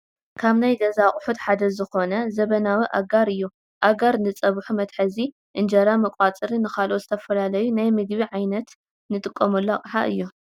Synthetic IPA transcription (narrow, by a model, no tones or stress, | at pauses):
kʰaβnajɡɐzaχʼʊħut̪ħad̪ɐzɨxo̞nɐzɐβɐnawiʔaɡaɾɨjːu | ʔaɡaɾnɨt͡sʼɐβħumɐt̪ħɐzi | ʔɨnd͡ʒɐɾamɐkʼat͡sʼɨɾinɨxalʔozɨt̪ʰɐfɐlalɐjunajmɨɡbiʕajnɐt̪ | nɨt̪ʼɨkʼːɐmulːoakʼħaʔɨjːu